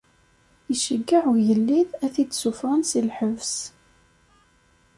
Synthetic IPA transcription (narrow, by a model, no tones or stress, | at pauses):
əʃəɡːaʕujəlːiðæθid̪sufʁansilħəvs